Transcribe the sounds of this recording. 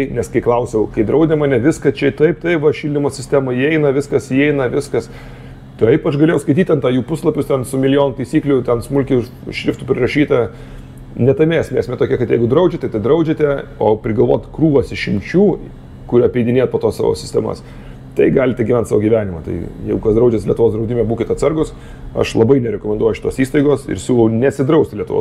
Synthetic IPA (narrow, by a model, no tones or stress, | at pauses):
ɪnʲɛskɐɪklˠɐʊsʲɛʊkɐɪd̪ɾɐʊd̪ʲɛmɐːnʲɛʋʲɪskɐt͡ʃʲɛɪt̪ɐɪpt̪ɐɪʋɐʃʲiːlʲdʲɪmoːsʲɪsʲt̪ʲæmɐiɛɪnɐʋʲɪskɐsiɛɪnɐʋʲɪskɐs | t̪ɐɪɛɪpɐt͡ʃɡɐlʲeːjɛʊskɐɪtʲiːt̪ʲɐnt̪ɑːjuːpʊslˠɐpʲʊstʲɛnsʊmʲɪlʲɪjoːnʊt̪ɐɪsʲiːklʲʊt̪ʲɛnsmʊlʲkʲʊ | ʃʲɾʲɪft̪ʊpʲɾʲɪrɐʃʲiːt̪ɐ | nʲɛt̪ɐmʲeːsʲmʲeːsʲmʲɛt̪oːkʲɛkɐt̪jɛɪɡʊd̪ɾɐʊd͡ʒʲɛt̪ʲɛt̪ɐɪd̪ɾɐʊd͡ʒʲet̪ʲɛoːpʲɾʲɪɡɐlˠʋo̰ːt̪ʲkɾuːʋɐsɪʃʲɪmʲt͡ʃʲuː | kʊɾʲɐpʲɛɪd̪ʲɪnʲeːt̪poːt̪oːsɑ̰ːʋo̰ːsʲɪ̥sʲt̪ʲɛ̰mɐ̰s | t̪ɐɪɡɑːlʲɪtʲɛɡʲiʋʲɛnt̪sɑːʋoːɡʲiʋʲæːnʲɪmɐt̪ɐ̰ɪjɛɪɡʊkɐsd̪ɾɐʊd͡ʒʲɛslʲiɛt̪ʊʋoːsd̪ɾɐʊdʲɪmʲɛbuːkʲɪt̪ɐt̪sɐrɡʊs | ɐ̰ʃlˠɐbɐɪnʲɛɾʲɛkoːmʲɛnd̪uɔjʊʃɪt̪oːsiːst̪ɐɪɡoːsɪ̰ɾsʲuʊnʲɛsʲɪd̪ɾɐʊsʲt̪ʲlʲiɛt̪ʊʋo̰ː